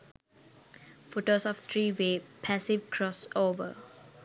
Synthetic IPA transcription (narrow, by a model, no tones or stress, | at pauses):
foʈosɔft̪ʰɹiːweːpʰæsivkʰɹɔsoːvə̰